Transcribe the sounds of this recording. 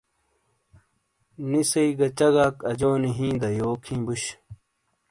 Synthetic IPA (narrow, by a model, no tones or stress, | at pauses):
nisɐiɡɐt͡ɕɐɡaːkɐd͡ʑoːniɦĩːd̪ɐjoːkʰĩːbuɕ